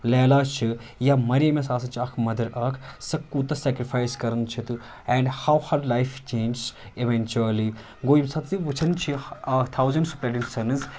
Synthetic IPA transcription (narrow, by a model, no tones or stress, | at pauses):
lɛːlaːt͡ʃʰijamɐɾemesaːsɐnt͡ʃʰiɐkʰmɐd̪ɐɾɐkʰsɐkːut̪ɐsɛːkɾifʰaːjskɐɾɐnt͡ʃʰit̪u | ɛ̃ɳɖhawhɐɾlajft͡ʃẽːnd͡ʒs | iʋent͡ʃuɐli | ɡoːjimsɐt̪ziʋɨt͡ʃʰɐnt͡ʃʰit̪ʰawzɐɳɖsu̥pɾɐɖinsɐnɨz